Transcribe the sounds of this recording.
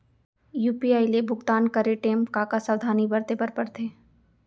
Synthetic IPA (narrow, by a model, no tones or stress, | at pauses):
juːpiaːilebʱʊɡt̪aːnkɐɾeʈẽːmkaːkasɐd̪ʱaːnibɐɾt̪epɐɾpɐɾt̪ʰeː